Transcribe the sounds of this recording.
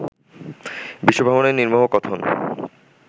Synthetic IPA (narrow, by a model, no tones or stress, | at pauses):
biʃːobʱaboneɾniɾmoɦokɔt̪ʰon